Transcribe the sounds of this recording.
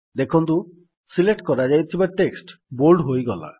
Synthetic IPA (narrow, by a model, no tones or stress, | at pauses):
d̪ekʰɔnt̪u | sileʈkɔɾad͡ʒajt̪ʰibaʈeksʈbolɖɦojɡɔla̰